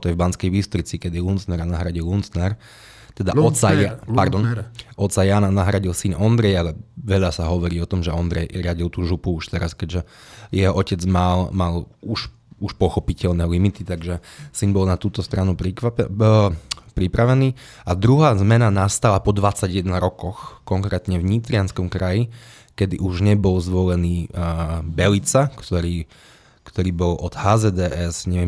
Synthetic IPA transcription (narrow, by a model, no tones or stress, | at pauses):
t̪ɔjɛvbanskɛjbist̪ɔɾit͡sikɛd̪ilunt͡snɛɾanaɦɾaɟilunt͡snɛɾ | t̪ɛd̪a̰ɔsaaɾd̪ɔnɔt̪t͡sajaːnanaɦɾaɟilsinɔnd̪ɾɛjalɛʋɛʎasaɦɔʋɔɾiːɔt̪ɔmʒɛɔnd̪ɾɛjɾɪaɟilt̪uːʒupuuʃt̪ɛɾaskɛɟʒɛjɛɦɔʔɔcɛd͡zmalmaluʃ | uʃpɔxɔpicɛʎnɛːlimit̪it̪aɡʒɛsinbɔlnat̪uːt̪ɔst̪ɾanuɾik | pɾipɾaʋɛniː | ad̪ɾuɦaːzmɛnanast̪alapɔd̪ʋat͡saɟjɛd̪naɾɔkɔxkɔŋkɾɛːt̪ɲɛvɲit̪ɾɪanskɔmkɾaji | kɛd̪iʔuʒɲɛbɔlzʋɔlɛniː | bɛlit͡sakt̪ɔɾiː | kt̪ɔɾiːbɔlʔɔd̪haːzɛːd̪ɛʔɛsɲɛʋɪɛm